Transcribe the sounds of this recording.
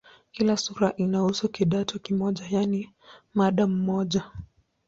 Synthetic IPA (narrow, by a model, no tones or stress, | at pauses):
kilasuɾaʔinahusukiɗatʰɔkimɔʄajani | maɗam̩mɔʄa